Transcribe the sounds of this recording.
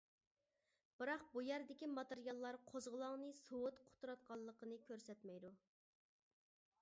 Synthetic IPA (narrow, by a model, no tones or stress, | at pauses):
b̥ɨɾɑq̚bujæɾd̪ɪkʲimɑt̪eɾijɑlˠːɑɾqʰozʁəlˠɑŋnɨsowʊt̪qʰʊ̥t̪ʰuɾɑt̪̚qʰɑlˠːəqənɨkʲʰøɾsɛt̪mɛjd̪u